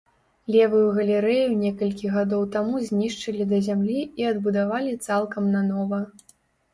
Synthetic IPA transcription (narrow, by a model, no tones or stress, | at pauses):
lʲɛvɨjuɣɐlʲɛɾɛjunʲɛkɐlʲkʲiɣad̪ɔwt̪amuzʲnʲiʂt͡ʂɨlʲid̪ɐzʲamlʲiiɐd̪bud̪avalʲit̪salˠkɐmnɐnɔvɐ